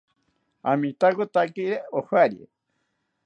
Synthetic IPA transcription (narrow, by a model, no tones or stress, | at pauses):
amĩt̪akot̪akiɾeohwaɾjḛ